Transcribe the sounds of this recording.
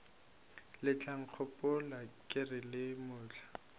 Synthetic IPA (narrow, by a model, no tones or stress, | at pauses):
lɪt͡ɬʰʼaŋ̩q͡χʰʊpʼʊlakʼɪrɪlɪmʊːt͡ɬʰḁ